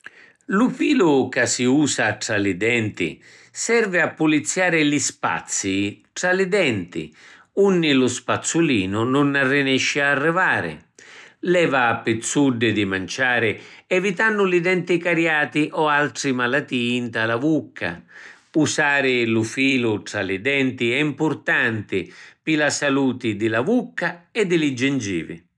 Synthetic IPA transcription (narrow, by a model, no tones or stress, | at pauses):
lʊfiːlʊkasiuːsaʈɾalɪd̪ɛnt̪ɪ̰ | sɛrvɪapːʊlit̪sːjaːɾɪlispa̰t̪sːiʈɾalɪd̪ɛnt̪ɪ̰ | unːɪlʊspat̪sːuliːnʊnʊnːarːɪnɛʃːɪarːɪvaːɾɪ̰lɛːvaːpːɪt̪suɖːɪd̪ɪmant͡ʃaːɾɪɛvit̪anːʊlid̪ɛnt̪ɪkaɾjaːt̪ɪʔɔalt̪ɾimalat̪iːnt̪alavukʰːa̰ | usaːɾɪlʊfiːlʊʈɾalɪd̪ɛnt̪ɪɛimpʊɾt̪ant̪ɪpɪlasaluːt̪ɪd̪ɪlavukːaɛd̪ːɪlɪd͡ʒːɪnd͡ʒḭːvɪ̰